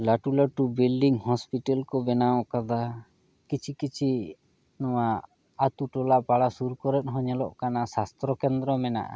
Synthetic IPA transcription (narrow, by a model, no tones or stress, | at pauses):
laʈulaʈubilɖiŋhɔspiʈalkɔbɛnawɔ̃ʔkad̪a | kit͡ʃʰikit͡ʃʰi | nɔwa | at̪uʈɔlaʔpaɽasuɾkɔɾɛt̪̚ɦɔ̃ɲɛlɔʔkanasast̪ɾɔkɛnd̪ɾɔmɛna̰ʔa̰